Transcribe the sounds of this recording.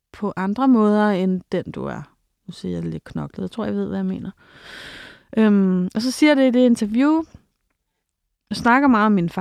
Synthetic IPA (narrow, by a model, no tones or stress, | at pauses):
pʰɒ̽ʔɑ̈nd̥ʁɐmɔ̽ːð̞ˠɐend̥end̥ṵæɐ | nusḭjale̝d̥̚kʰnɒ̽ɡ̥lð̩ˠt͡sʰo̝̰jʋe̝ð̰ˠʋæjäme̝̰ːnɐ | ʔømɒ̽s̬ɒ̽siɐjd̥e̝id̥e̝e̝nt͡sʰɐʋjṵː | jɑsnɑ̈ɡ̥ɐmɑ̈ːð̩ˠɒmːinfɑ